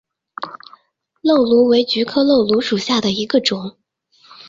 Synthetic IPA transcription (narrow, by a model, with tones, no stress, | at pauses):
lo˥˩ʊlu˧˥we˧˥ɪt͡ɕy˧˥kʰɤ˥lo˥˩ʊlu˧˥ʂu˨˩ɕja˥˩d̪ə˩i˧˥ɡə˧ʈ͡ʂʊ˨˩˦ŋ